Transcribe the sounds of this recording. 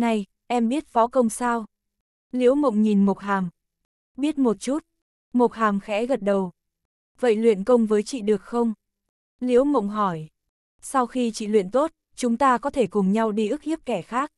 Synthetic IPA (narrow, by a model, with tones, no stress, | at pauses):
na˧j | ʔɛ˧mɓi˦˥ət̚fɔ˨˦kə˧wŋ͡msaː˧w | li˨˦əwmə̰˧˨wŋ͡mɲi˨˩nmo˨˩t̚ɦaː˨˩m | ɓi˦˥ət̚mo˨˩t̚t͡ɕu˦˥t̚ | mo˨˩t̚ɦaː˨˩mxɛ̰˧˥ɣə˨˩t̚ɗə˨˩w | və̰˧˨jlwḭ˧˨ənkə˧wŋ͡mvəː˨˦jt͡ɕḭ˧˨ɗɨ˨˩ək̚xə˧wŋ͡m | li˨˧˦əwmə̰˧˨wŋ͡mɦɔ˧˩j | sa˧wxi˧t͡ɕḭ˧˨lwḭ˧˨ənt̪o˦˥t̚ | t͡ɕʊ˨˦ŋ͡mt̪aː˧kɔ˨˦t̪ʰe˧˩kʊ˨˩ŋ͡mɲa˧wɗi˧ʔɨ˦˥k̚ʔi˦˥p̚kɛ˧˩xaː˦˥k̚